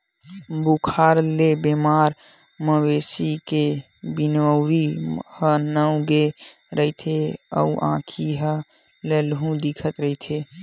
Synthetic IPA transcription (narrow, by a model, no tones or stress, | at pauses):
bukʰaɾlebemaɾ | məwesike | binʋəwɾihənəʊɡe | ɾəit̪ʰeə̰uʔã̰kʰiɦə | lelɦũd̪ikʰət̪ɾəɦit̪ʰe